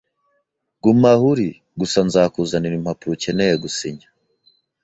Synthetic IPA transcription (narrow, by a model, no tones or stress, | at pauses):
ɡ̥umahuɾi | ɡusanzaːkuzaniɾim̥hapuɾucenejeɡusiɲḁ